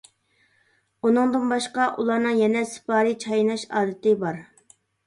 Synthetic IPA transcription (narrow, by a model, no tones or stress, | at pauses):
unɨŋd̪ɨnbɑʃqɑʔulˠɑɾnɨŋjɛnɛsɨ̥pʰɑːɾit͡ʃʰɑjnɑʃɑ̰ːd̪ɨt̪ɪbɑɾ